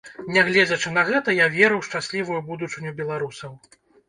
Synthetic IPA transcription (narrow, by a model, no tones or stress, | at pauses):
nʲɛɣlʲɛd͡zʲɐt͡ʂɨn̪ɐɣɛt̪ɐjavʲɛɾɨwʂt͡ʂasʲlʲivujubud̪ut͡ʂɨnʲubʲɛlˠaɾusɐw